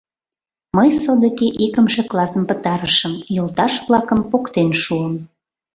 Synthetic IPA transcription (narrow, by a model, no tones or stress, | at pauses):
məjsod̪ə̆keʔikəmʃĕklɑsəmpə̆t̪ɑɾəʃəmjolt̪ɑʃβlɑkə̆mpokt̪enʃuəm